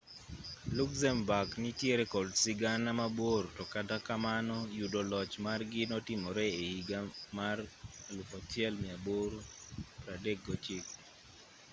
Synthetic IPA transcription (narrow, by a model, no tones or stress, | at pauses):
lukzɛmbaknɪtjeɾɛkɔdsɪɡanamabwortɔkatakamanɔjudolɔt͡ʃmarɡɪnɔtɪmɔɾɛeiɡamarlufɔtɪɛlmɪaboɾpɾadeɡot͡ʃɪk̚